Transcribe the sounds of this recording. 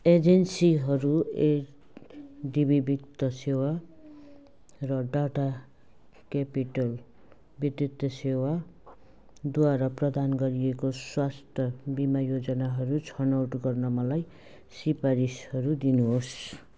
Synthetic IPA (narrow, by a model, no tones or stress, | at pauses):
ed͡zensiɦʌɾue | ɖibibik̚t̪ʌsewa | rʌɖaʈa | kepiʈʌl | bit̪rit̪ʌsewa | d̪waɾaprʌd̪anɡʌɾiekoswast̪ʰʌbimajod͡zʌnaɦʌɾut͡sʰʌnʌwʈɡʌrnʌmʌlaj | sipaɾishʌɾud̪inuɦos